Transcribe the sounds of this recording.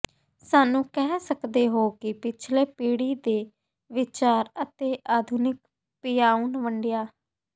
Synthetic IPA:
saːnũːkɛɦːsəkd̪eːɦoːkɪpɪt͡ʃʰleːpiːɽiːd̪eː | ʋɪt͡ʃaːɾət̪eːʔaːd̪ʱʊnɪk̚ | pɪjaːunʋəɳɖɪjaː

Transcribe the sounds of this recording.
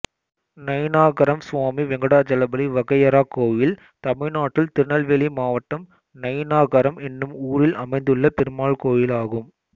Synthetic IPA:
nɐjnaːɣɐɾɐmsʋaːmiʋɛŋɡɐɽaːd͡ʒɐlɐbɐliʋɐɣɐjɐɾaːkːoːjɪl | t̪ɐmɪnaːʈːɪlt̪ɪɾɳɐlʋelimaːʋɐʈːɐm | nɐjnaːɣɐɾɐmɛnːɯmuːɾɪlɐmɐɪnd̪ɯɭːɐpɪɾɯmaːɭkoːjɪlaːɣɯm

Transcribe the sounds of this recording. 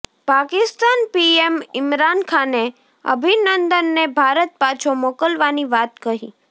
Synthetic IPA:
pakɪst̪anpiemɪmɾankʰane | ə̰bʱinənd̪ənːebʱaɾət̪̚pat͡ʃʰomokəlʋaniʋat̪kəɦḭ

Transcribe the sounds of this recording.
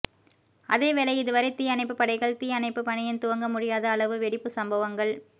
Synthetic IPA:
ʔɐðeːʋɛlɐɪɪðɯʋɐɾɐɪt̪iːjɐnɐɪpːɯpːɐɽɐɪɣɐɭt̪iːjɐnɐɪpːɯpɐɳɐjɪnt̪ʊʋɐŋɡɐmʊɽɪjaːðɐːɭɐʋɯʋɛɽɪpːɯsɐmbɐʋɐŋɡɐɭ

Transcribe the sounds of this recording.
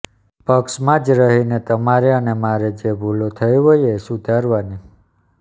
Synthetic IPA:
pəksmãd͡ʒɾəɦinet̪əmaɾeənemaɾed͡ʒebʱulot̪ʰəjʋəjesud̪ʱaɾʋani

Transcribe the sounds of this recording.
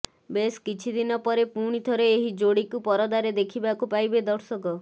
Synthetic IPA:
beskit͡ʃʰid̪inɔpɔɾepuɽ̃it̪ʰɔɾeːɦid͡ʒoɽikupɔɾɔd̪aɾed̪ekʰibakupajbed̪ɔɾsɔkɔ

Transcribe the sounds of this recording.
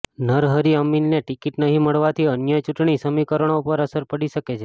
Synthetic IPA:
nəɾɦəɾiəminːeʈikiʈnəɦĩməɭʋat̪ʰiənjət͡ʃuʈɳisəmikəɾəɳ̃opəɾəsəɾpəɽiʃəket͡ʃʰe

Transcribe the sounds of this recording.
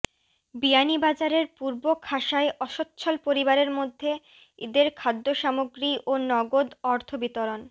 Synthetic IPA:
bianibad͡ʑaɾeɾpuɾbokʰaʃaeʔɔʃotːɕʰolpoɾibaɾeɾmod̪ʱːe | id̪eɾkʰad̪ːoʃamoɡɾiʔonɔɡod̪ɔɾt̪ʰobit̪oɾon

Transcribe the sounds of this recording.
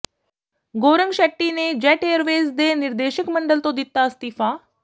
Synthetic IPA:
ɡoːɾəŋɡʃɛʈːined͡ʒɛːʈeːəɾʋeːzd̪eːnɪɾd̪eːʃəkməɳɖəlt̪õd̪ɪt̪ːast̪iːfaː

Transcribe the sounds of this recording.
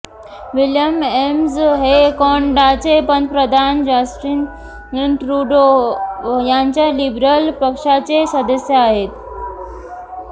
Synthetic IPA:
ʋiljəmemzɦekɔɳɖat͡sepənpɾəd̪ʱand͡ʑasʈɾin | nʈɾuɖo | jaɲt͡ɕjalibɾəlpəkʂat͡sesəd̪əsjəaɦet̪

